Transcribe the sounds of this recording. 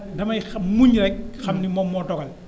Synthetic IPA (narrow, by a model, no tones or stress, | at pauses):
dɐmɐjmuɲɾɛk̚xɐmnimɔmːɔtɔɡɐl